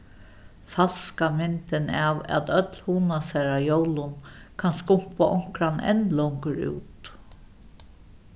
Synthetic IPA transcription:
fal̥skamɪnt̪ɪnaʋæ̰t̪œt̪lhuːnasɛɾajowlʊnkʰanskʊŋ̥paʔʊŋ̥kɾanɛ̰nlɔwŋkəɾṵːt̪

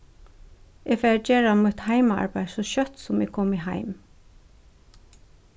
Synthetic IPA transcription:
ʔeːɡfæd͡ʒeːɹamʊt̪hæɪmɑ̰ɹbæɪsoːʃœt̪sɔmḛːɡkʰɔmɪhæ̰ɪm

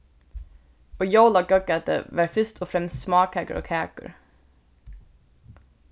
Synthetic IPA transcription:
oːjoʊlɑɡœɡæt̪ə̰ʋæːɾfʏst̪ʰɔfɾɛmst̪smɑːkhæɡə̰ʔo̰ːkʰæːkə̰ɹ

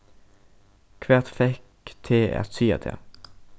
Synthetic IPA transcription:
kʰʋæːʁt̪fɛk | t̪ʰeːɛ̰ʁtsiːɑ̰t̪ʰḛː

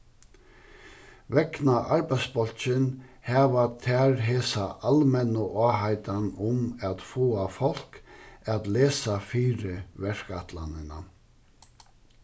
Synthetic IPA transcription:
vɛknaʔaɾbaj̪sbɔl̥t͡ʃɪnhɛːvat̪ʰæɹɦeːsaʔalmɛnʊʔaːɦajt̪anʊmat̪foːafɔl̥kat̪leːsafiːɾɪvɛɹ̥kat̪la̰nɪna̰

